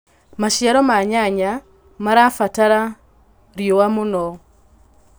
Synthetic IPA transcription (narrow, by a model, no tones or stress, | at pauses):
maʃjaɾɔmaɲaɲa | maɾafataɾa | ɾjowamunɔ